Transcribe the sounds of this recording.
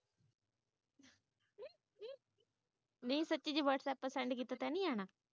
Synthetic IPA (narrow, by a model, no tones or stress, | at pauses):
nəĩːsətːt͡ʃiːd͡ʒeʋəʈʰt̪ɛpːəsɛ̃ɳɖkiːt̪aːt̪ɛːnĩːaːɽ̃aː